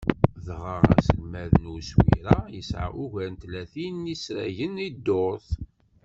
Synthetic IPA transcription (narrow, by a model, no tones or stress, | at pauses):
ðʁəʁæ̰səlmæðənuswḭɾæjəsʕa̰uʝæɾnt̪læθinisɾæ̰ʝənid̪ːoɾθ